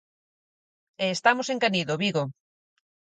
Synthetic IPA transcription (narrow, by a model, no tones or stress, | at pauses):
eːst̪amoseŋkaniðoβiɣo